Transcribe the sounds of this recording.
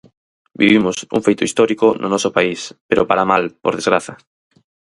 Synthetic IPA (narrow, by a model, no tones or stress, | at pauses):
bḭβimʊsṵŋfejt̪ʊist̪ɔɾikonʔʊnɔsopaispeɾopaɾamalpo̰ɾðezɣɾaθɐ